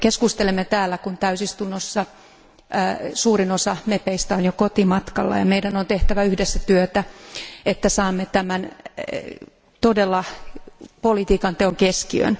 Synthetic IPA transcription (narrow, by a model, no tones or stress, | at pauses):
keskust̪elemːet̪æːlːækunt̪æysist̪unːosːɑː | suːrinosɑmepeist̪æonjokot̪imɑt̪kɑlːɑ̰jɑmeidænont̪eht̪æʋæyhdesːæt̪yøt̪æet̪ːæsɑːmːet̪æmæn | t̪odelːɑ | polit̪iːkɑnt̪eoŋkeskiø̰n